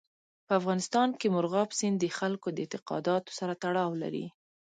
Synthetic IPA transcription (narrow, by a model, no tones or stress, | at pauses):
pəafɣɑnɪst̪ɑnkemʊɾɣɑpsɪnd̪əxalkod̪əɪnt̪ɪqɑ̰d̪ɑt̪o̥saɾat̪aɽɑwla̰ɾḭ